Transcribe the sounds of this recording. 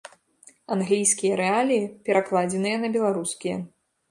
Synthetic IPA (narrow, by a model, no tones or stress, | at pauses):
anɣlʲijsʲkʲijɐɾɛalʲijipʲɛɾaklˠad͡zʲɛnɨjɐnɐbʲɛlˠaɾuskʲijɛ̰